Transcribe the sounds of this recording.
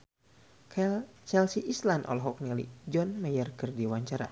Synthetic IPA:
t͡ʃɛlsiʔislanɔ̰lɦɔk̚nɛlḭd͡ʒɔnmɛjərkərdiwaɲt͡ʃaɾa̰

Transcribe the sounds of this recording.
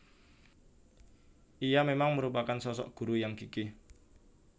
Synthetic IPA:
ʔijamemaŋməɾupakansɔsɔ̰ʔɡ̥ṳɾujaŋkiki

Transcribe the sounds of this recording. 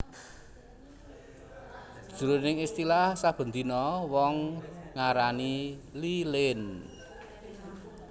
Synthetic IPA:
ʒ̥uɾonɪŋist̪ilahsab̥ə̤nd̪inɔwɔŋːaɾanililɪn

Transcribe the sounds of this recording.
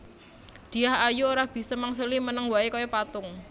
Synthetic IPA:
d̪̥i̤ahajuoɾahb̥i̤sɔmaŋs̬ulimənəŋwaekojɔpat̪ʊŋ

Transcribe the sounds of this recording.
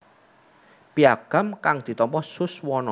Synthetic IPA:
piaɡ̥a̤mkaŋd̪̥i̤t̪ɔmpɔhsʊswɔnɔ

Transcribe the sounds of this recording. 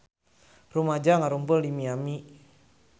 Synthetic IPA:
rumad͡ʒaŋaɾumpuldimiami

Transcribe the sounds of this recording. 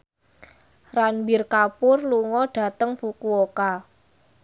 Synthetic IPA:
ranbirkapʊrluŋɔɖ̥ä̤t̪əŋfukuoka

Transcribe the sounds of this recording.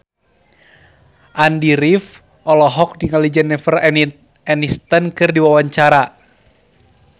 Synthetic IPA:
ʔandiɾif | ʔɔlɔɦɔk̚diŋalid͡ʒənːɛfər | ɛnist̪ənkɨrdiwawaɲt͡ʃaɾa

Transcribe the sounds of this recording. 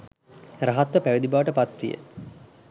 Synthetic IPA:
raɦat̪ʋəpæʋid̪ibaʋəʈəpat̪ʋijə̰

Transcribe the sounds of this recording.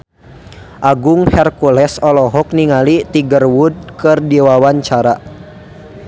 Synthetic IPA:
ʔaɡʊŋhɛrkulɛsɔlɔɦɔk̚niŋalit̪iɡərwud̚kɨrdiwawaɲt͡ʃaɾa

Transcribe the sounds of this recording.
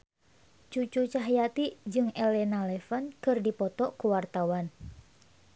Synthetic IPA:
t͡ʃut͡ʃut͡ʃaɦjat̪id͡ʒɨŋɛlɛnalɛfənkɨrdipɔt̪ɔʔkuwart̪awan

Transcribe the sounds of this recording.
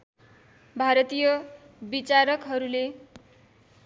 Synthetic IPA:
bʱaɾʌt̪ijʌ | bit͡saɾʌkɦʌɾule

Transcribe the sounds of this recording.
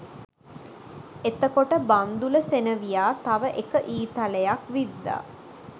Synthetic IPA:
et̪əkoʈəband̪uləsenəʋijaːt̪aʋəʔekəʔiːt̪aləjakʋid̪ːa̰

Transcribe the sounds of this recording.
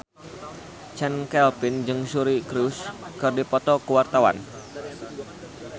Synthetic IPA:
t͡ʃɛnkɛlpɪnd͡ʒɨŋsuɾikɾuskɨrdipɔt̪ɔkəwart̪awa̰n

